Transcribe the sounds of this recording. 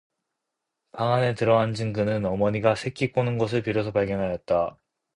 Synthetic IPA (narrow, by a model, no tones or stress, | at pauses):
paŋane̞tɯɾʌɦand͡ʑɯŋɡɯnɯnʌmʌɲiɡasʰek͈ʰik͈onɯnɡʌs̬ʰɯɭpiɾos̬ʰʌpaɭɡjʌnɦajʌt̚t͈a